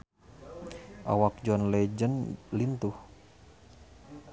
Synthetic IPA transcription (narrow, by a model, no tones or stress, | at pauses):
ʔa̰wak̚d͡ʒɔnlɛd͡ʒənlint̪uh